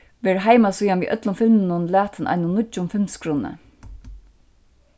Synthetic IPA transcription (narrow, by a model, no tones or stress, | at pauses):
ʋɛːɹɦaɪmasujanʋiːʔœt̪lʊmfɪlmnʊnlæːt̪ʰənʔa̰ɪnʊnʊt͡ʃʊmfɪmskʰɾuːnə̰